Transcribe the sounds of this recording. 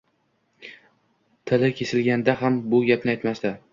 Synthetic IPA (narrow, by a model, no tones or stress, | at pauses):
t̪ʰɪlɪkʲʰe̞sɪlɡʲand̪aɦambʊɡʲapnɪajt̪mast̪a